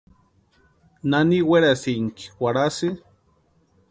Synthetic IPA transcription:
naniweɾasiŋki̥waɾasi

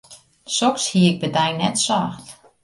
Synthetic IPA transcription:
sɔkshiəɪk̚bədajnɛtsaːxt

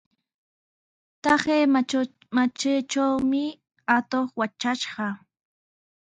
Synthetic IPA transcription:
t̪ɑχeː | mat͡ʃet͡ʃawmɪ | at̪oχwat͡ʃaʃɢɑ

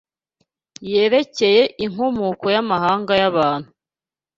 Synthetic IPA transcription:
je̞ːɾe̞ce̞je̞ʔiŋ̥omuːko̞jamaɦaːŋɡajaβaːn̥hu

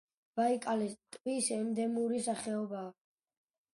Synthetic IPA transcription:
b̥aikʼalɛst̪ʼvisɛmd̪ɛmuɾisaχɛɔbaː

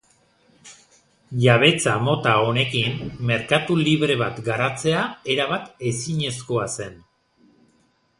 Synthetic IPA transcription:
ʝaβ̞e̞t͡samo̞t̪ao̞ne̞kinme̞ɾkat̪uliβɾe̞β̞at̪ɡaɾat͡se̞ae̞ɾaβ̞at̪e̞siɲe̞sko̞ase̞n

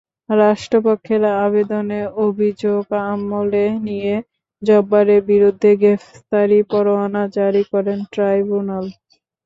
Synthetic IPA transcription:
ɾaʃʈɾopokʰːeɾaaβed̪oneɾobʱid͡ʑoɡamːoleɦnije | d͡ʑɔbːaɾebiɾud̪ʱːeɡefst̪aɾipɔɾoanad͡ʑaɾikɔɾenʈɾajbunal

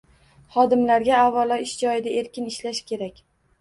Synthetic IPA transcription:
χɒd̪ɪmlaɾɡʲaːvːalˠɒɪʃd͡ʒɒjɪd̪ae̞ɾkʲɪnɪʃlaʃkʲʰe̞ɾakʲ

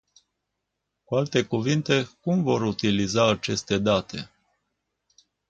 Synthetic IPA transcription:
kualt̪e̞kuvint̪e̞kumvo̞ɾut̪ilizaːt͡ʃe̞st̪e̞d̪at̪ʰe̞̰

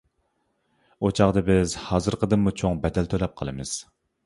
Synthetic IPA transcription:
ot͡ʃʰɑʁd̪ɨbɪzhɑːzɨɾqʰəd̪ɨmːut͡ʃʰoŋbɛd̪ɛlt̪ʰølɛp̚qʰəlˠɨ̰mɨz̥

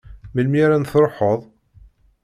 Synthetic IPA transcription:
məlmiɾænθɾˤħəðˤ

